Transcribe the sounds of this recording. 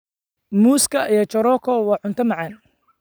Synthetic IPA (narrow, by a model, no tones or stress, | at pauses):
muːskʰɐijɔt͡ʃɔɾɔkʰɔwɑːʕʊnt̪ʰɐmɑʕɑn